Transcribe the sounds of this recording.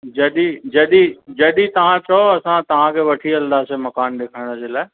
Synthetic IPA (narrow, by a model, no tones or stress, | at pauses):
d͡ʑɐɗid͡ʑɐɗid͡ʑɐɗit̪ɐʋ̤ãt͡ɕɐoɐsãt̪ɐʋ̤ãkʰeːʋɐʈʰiɐld̪aːsemɐkaːnɗeːkʰaɪɽ̃əd͡ʑelaːɪ